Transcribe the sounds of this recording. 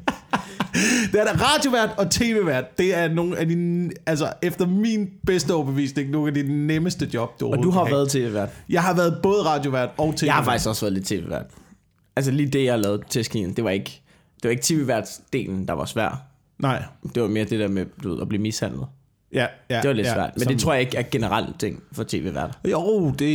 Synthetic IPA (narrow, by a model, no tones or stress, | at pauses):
d̥e̝æɐʁɑ̈ːd̥jo̝ʋæɐ̰d̥ɒ̽t͡sʰe̝̰ːʋe̝ʋæɐ̰d̥ːe̝æɐno̝ːn̩æd̥iælsəefd̥ɐminb̥esd̥əɒb̥eʋḭːsne̝ŋnukæd̥i̥neməsd̥əd̥jɒ̽b̥̚d̥uod̥uɦɑ̈æɐðˠt͡sʰe̝̰ːʋḛːʋæɐd̥jɑ̈ɪɦɑ̈ʋæːɐð̞̩ˠb̥ɔ̽ːð̞ˠəʁɑ̈d̥jo̝ʋæɐ̰d̥ɒ̽ʊt͡sʰejɑ̈ɪhɑ̈fɑ̈ɡ̥i̥sɡ̥ɒ̽sʋæːɐðˠle̝d̥̚t͡sʰe̝̰ːʋe̝ʋæɐ̰d̥ | æls̬əliːd̥e̝jɑ̈ɪhɑlɛːʊð̩ˠt͡sʰesɡ̥ḭːn̩d̥e̝ʋɑ̈e̝ɡ̥ | d̥e̝ʋɑ̈e̝ɡ̥t͡sʰe̝ːʋe̝ʋæɐ̰d̥sd̥e̝̰ːln̩d̥ɑ̈ʋɑ̈sʋæɐ̰d̥ | nɑɪ̰d̥e̝ʋɑ̈me̝ːɐd̥e̝d̥eɐ̰med̥uʋe̝ðˠɒb̥liːmishæn̰lð̞̩ˠ | e̝ʋɑ̈le̝dsʋæɐ̰d̥mend̥e̝t͡sʰʁo̝ɐ̰jɑ̈e̝ɡ̥æɐɡ̥e̝nəʁal̰t͡sʰeŋ̰fɒ̽t͡sʰe̝̰ːʋḛːʋæɐd̥od̥e̝